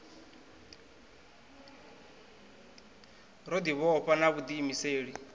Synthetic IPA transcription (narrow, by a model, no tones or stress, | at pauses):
ɾod̪iβɔːɸanaβud̪imiseːɺi